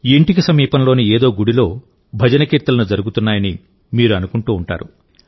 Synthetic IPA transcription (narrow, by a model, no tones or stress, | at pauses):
iɳʈik̬isɐmiːpɐnlo̞ːnieːd̪o̞ːɡuɽilo̞ː | bʱɐd͡ʒɐnɐkiːɾt̪ɐlɐnud͡ʒɐɾuɡut̪unːaːjɐni | miːɾuɐnukuɳʈuːɳʈa̰ːɾu